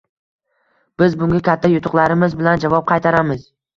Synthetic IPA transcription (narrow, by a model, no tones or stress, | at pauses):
b̥ɪzbʊŋɡʲakʲʰat̪ʰːajʊt̪ʰʊqlaɾɪmɪzbɪland͡ʒavɒp̚qʰɑjt̪ʰaɾamɪz̥